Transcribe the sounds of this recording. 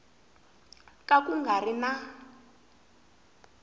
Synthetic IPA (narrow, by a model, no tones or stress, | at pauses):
kʼakuŋɡʱarina